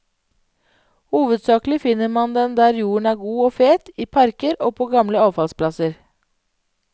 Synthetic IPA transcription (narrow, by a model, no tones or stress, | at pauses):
huːʋəd̪sɑːklɪfɪnəɾmɑnd̪ɛnd̪æːɾjuːəɳ̩æːɾɡuːoːfeːt̪iːpʰɑɾkəɾoːpʰoːɡɑmləɑːʋfɑlspʰlɑsəɾ